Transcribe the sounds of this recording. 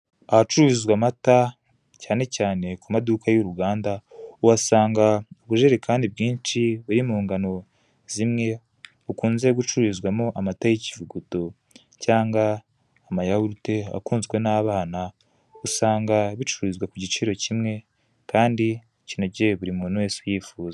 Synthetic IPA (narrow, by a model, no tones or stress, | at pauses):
ahat͡ʃuuβizwamata | caːne̞caːne̞kumadukajoɾuɡaːndauwasaːŋɡaoβuʒeɾekʰaːndibɡiːnt͡ʃiβuɾimuːŋɡano̞ | z̥imŋe̞ | ukuːnze̞ɡut͡ʃuuβizɡwamoʔamatajecivuɡuto̞ | caːŋɡaː | majahuɾute̞a̰kuːnzɡwe̞naːβaːna | usaːŋɡaβit͡ʃuɾizɡwakuɟit͡ʃiɾo̞cimŋe̞ | kaːndi | cinoɟeβuɾimunwe̞ːsujiːfuːza